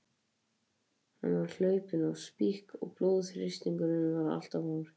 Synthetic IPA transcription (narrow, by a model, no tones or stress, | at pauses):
ha̰nːvaɾ̥l̥œːɥpɪnawspihkɔ̰ɣploːðfɾɪst̪iŋkʏnɪnʏvaɾa̰l̥t̪avhoːɾ